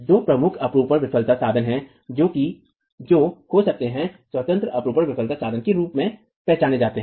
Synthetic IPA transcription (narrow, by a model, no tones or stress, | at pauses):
d͡ʒ̪oːpɾɐmʊkʰɐpɾuːpəɾʋɪpʰəlt̪asaːd̪ənɦɛ̃ | d͡ʒoːki | d͡ʒoːhosɐk̚t̪eɦɛ̃sʋɐt̪ə̃nt̪ɾəʔɐpɾuːpəɾʋɪpʰəlt̪asaːd̪ʱənkeɾuːpmẽ | pɛɦt͡ʃaːned͡ʒaːt̪eɦ